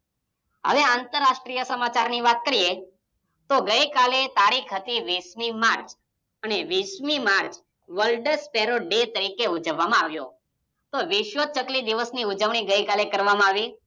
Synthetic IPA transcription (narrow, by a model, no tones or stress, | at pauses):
ɦə̰ʋeãnt̪əɾːaʃʈɾijəsəmat͡ʃaɾniʋat̪̚kəɾie | t̪oɡəjkalet̪aɽikʰɦət̪iʋiʃmimaɾt͡ʃ | əneʋiʃmimaɾt͡ʃ | ʋəlɖəɾspeɾoɖet̪əɾikeud͡ʒəʋːamãaʋjo̰ | t̪oʋɪʃʋət͡ʃəklid̪iʋəsniud͡ʒəʋɳ̃iɡəjkalekəɾʋamãaʋi